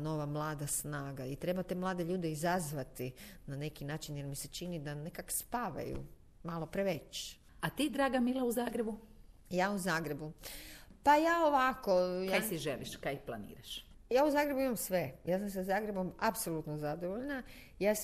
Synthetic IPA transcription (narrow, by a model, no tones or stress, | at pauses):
no̞ʋamlˠaːd̪asnaːɡait̪ɾe̞bat̪emlˠaːd̪e̞ʎuːd̪eizazʋat̪inane̞kinaːt͡ʃinjeɾmise̞t͡ʃinid̪anekakspaːʋa̰jṵ | malˠo̞pɾeʋe̞t͡ʃ | at̪iːd̪ɾaːɡamilˠauzaːɡɾebujaːuzaːɡɾe̞bupajaːoʋako̞jajsiʒelḭʃkajplˠanḭːɾaʃ | jaːuzaːɡɾe̞buimamsʋejaːs̬ams̬azaːɡɾe̞bo̞mapsolˠut̪nozad̪oʋoʎna | jaːs